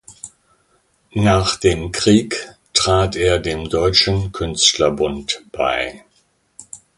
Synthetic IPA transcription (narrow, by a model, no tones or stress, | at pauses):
naːχd̥eːmkʁ̥iːktʁ̥aːteːɐdeːmdɔʏt͡ʃn̩kʰʏnstlɐbʊntb̥a̰ɪ